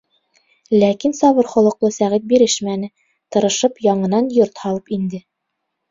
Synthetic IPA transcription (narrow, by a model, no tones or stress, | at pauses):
lækinsɒβɤɾχŏlˠɤ̆qlˠɤsæʁit̪̚biɾɘʃmænɘ | t̪ɤ̆ɾɤ̆ʃɤpjɒɴɤ̆nɑnjoɾt̪hɑlˠɤpind̪ɘ